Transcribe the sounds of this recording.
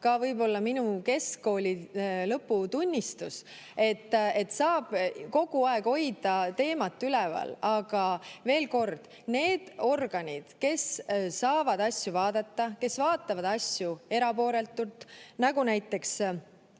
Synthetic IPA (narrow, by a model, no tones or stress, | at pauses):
kɑvɤjbo̞lːɑminuke̞skːo̞ːlʲilɤpːut̪unʲːist̪us | e̞t̪ːˑe̞t̪ːsɑːb̥ko̞ɡ̥uɑe̞ɡ̥o̞jd̪̥ɑt̪e̞ːmɑt̪ːˑylɛvɑ̰lɑɡ̥ɑve̞ːlko̞rd̪̥ | ne̞ːd̪̥o̞rɡ̥ɑnʲid̪̥ke̞ssɑːvɑd̪ɑsʲjuvɑːd̪̥ɑt̪ːɑke̞svɑːt̪ːˑɑvɑd̪̥ɑsʲjue̞ɾɑpo̞ːɾe̞lt̪ːˑult̪ˑnɑɡ̥unæjt̪ːˑe̞ks